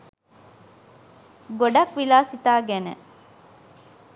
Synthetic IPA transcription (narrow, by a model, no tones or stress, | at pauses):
ɡoɖɐkʋilaːsit̪aːɡænḛ